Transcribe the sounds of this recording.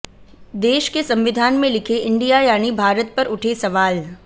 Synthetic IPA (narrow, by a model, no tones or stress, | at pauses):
d̪eːʃkesɐ̃mʋɪd̪ʱaːnmẽlɪkʰeʔɪ̃ɳɖijajaːnibʱaːɾət̪̚pɐɾʊʈʰesɐʋaːl